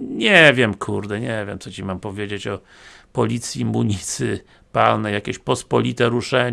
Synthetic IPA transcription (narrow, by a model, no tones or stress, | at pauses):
ɲɛvʲjɛmkʰuɾd̪ɛɲɛvʲjɛmt̪sɔt͡ɕimampɔvʲjed͡ʑet͡ɕɔ | pɔlʲit̪sʲjimuɲit̪sɘ | palnɛjakʲeɕpɔspɔlʲit̪ɛɾuʂɛɲ